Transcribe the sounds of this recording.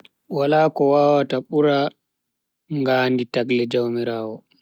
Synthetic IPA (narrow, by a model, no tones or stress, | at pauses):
walaːkɔwaːwataɓuɾa | ŋɡaːnditaklɛd͡ʒawmiɾaːwɔ